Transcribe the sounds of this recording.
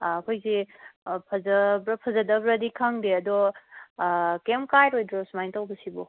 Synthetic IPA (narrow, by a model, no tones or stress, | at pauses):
ɐkʰojzipʰɐzɐbɾɐpʰɐzɐdɐbɾɐdikʰaŋdeɐdɔ | kemkajɾojdɾɔsmajntawbɐsibɔ